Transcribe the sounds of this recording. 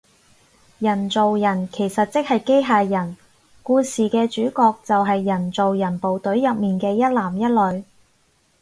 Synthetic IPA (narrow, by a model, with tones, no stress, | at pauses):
jɐ˨˩nt͡so˨wjɐ˨˩nkʰe˨˩jsɐ˨t̚t͡sɪ˥k̚hɐ˨jke˥jɦaː˧jjɐ˨˩n | kuː˧siː˨kɛː˧t͡ʃyː˨˥kɔː˧k̚t͡sɐ˨wɦɐ˨jːɐ˨˩nt͡so˨wjɐ˨˩npo˨wt̪ɵ˨˥ɥjɐ˨p̚miː˨nkɛː˧jɐ˥t̚laː˨˩mjɐ˥t̚lɵ˨˧ɥ